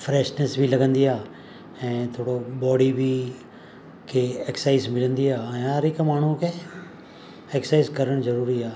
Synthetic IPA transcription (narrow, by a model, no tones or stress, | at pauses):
fʰɾɛːʃnesbʱilɐɡə̃nd̪ijaː | ɛ̃ːt̪ʰoːɽobɔːɖibʱi | kʰeeːksaːɪzmɪlə̃nd̪ijaːɛ̃ːɦɐɾɪkmaːɳ̤ũke | eksaːɪzkɐɾəɽ̃zɐɾuːɾiaː